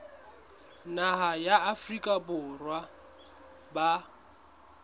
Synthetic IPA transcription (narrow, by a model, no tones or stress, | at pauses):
naɦajaːfrikʼabʊrwa | ba